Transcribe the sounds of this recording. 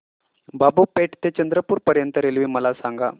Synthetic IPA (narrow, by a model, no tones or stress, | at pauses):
babupeʈt̪et͡ɕənd̪ɾəpuːɾpəɾjənt̪əɾelʋiːməlasaŋɡa